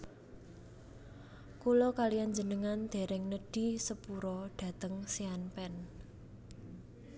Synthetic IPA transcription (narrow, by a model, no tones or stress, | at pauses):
kulɔkalijaɲd͡ʒə̤nəŋand̪̥e̤ɾɛŋnəɖ̥i̤səpuɾɔɖ̪̥ä̤t̪əŋsianpɛn